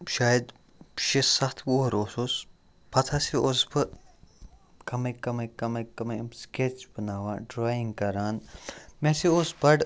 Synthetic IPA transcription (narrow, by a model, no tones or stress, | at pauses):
ʃaːjəd̪ | ʃesɐxt̪ʰboːɦɾoːsoːs | pʰɐt̪ʰaseosbɨ | kɐmɐkɐmɐkɐmɐkɐmɐmsket͡ʃbɐnaːʋãːɖɾaːjĩŋɡkɐɾaːnmẽseoːsbɐɽ